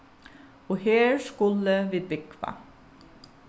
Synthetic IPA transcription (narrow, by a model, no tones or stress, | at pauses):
oːheːɹskʊləʋeːbɪkʰʋɑ̰